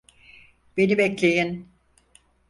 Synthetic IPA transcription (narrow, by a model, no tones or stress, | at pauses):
b̥e̞nibɛclʲejin